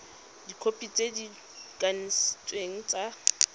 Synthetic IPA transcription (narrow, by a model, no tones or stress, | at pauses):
dikʰopʼit͡sʼedi | kʼanist͡sʼweŋ̩t͡sʼa